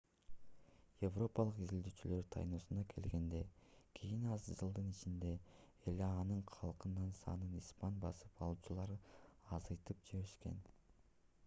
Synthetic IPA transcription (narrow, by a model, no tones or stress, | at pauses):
je̞vro̞pɑlˠɯqizild̪yːt͡ʃylø̞ɾt̪ʰɑ̰jnoːsunɑkʰe̞̰lɡe̞nd̪e̞kʲʰijinɑzd͡ʒɯlˠd̪ɯnit͡ʃind̪e̞ | eleɑnɯɴqʰɑlˠqɯnːɑnsɑ̰nɯnispɑnbɑsɯpɑlˠuːt͡ʃulˠɑɾɯɑzɑjt̪ɯp̚d͡ʒeβeʃke̞̰n